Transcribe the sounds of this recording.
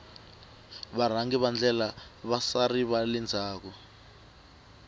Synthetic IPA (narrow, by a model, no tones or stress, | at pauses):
βar̤aŋɡiβand͡ɮɛlaβasariβalɛnd͡zʱaːk̬ɔ